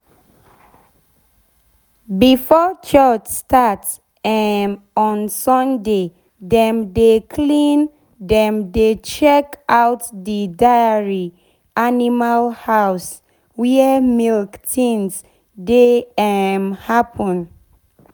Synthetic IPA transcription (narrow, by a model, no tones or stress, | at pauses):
bifɔt͡ʃɔd͡ʒstʰats | ɛn | ɔ̃nsɔ̃nde | dɛ̃mdekʰlĩn | dɛ̃mdet͡ʃɛkawtdidajəɹi | ʔanimalhaws | wiəmilktĩns | deɛmhapʰə̃n